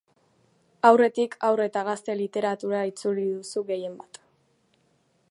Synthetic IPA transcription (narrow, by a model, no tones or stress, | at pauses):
awre̞t̪ikʰawre̞t̪aɣ̞ast̪e̞lit̪e̞ɾat̪uɾait͡suliðusuɣe̞je̞mbat̪